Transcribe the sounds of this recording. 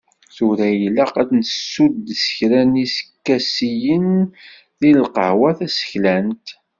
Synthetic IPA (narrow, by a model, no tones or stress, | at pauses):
θʊɾæjəlːæqædnəsːud̪sə̥çɾænisə̥kːæsijən | ðilqə̰ʕwæθæsə̥çlænt̪